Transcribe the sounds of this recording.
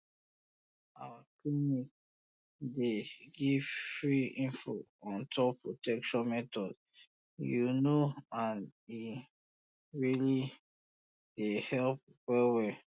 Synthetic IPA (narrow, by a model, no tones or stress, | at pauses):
awaklinik̚ | deɡivfɹiĩnfoɔ̃ntʰɔpːɹotɛkʃɔ̃nmɛtɔd | junoãni | ɹili | d̥ehɛlp̚ | wɛwɛ